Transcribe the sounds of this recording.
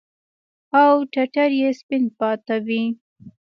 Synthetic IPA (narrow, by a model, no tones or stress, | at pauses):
awʈaʈaɾjespɪn̚pɑt̪awi